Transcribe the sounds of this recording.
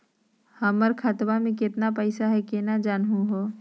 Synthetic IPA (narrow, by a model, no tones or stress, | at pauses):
həməɾkʰət̪bamẽk̬ɪt̪napɛɪsaɦɛkenad͡ʒaːnɦũɦoː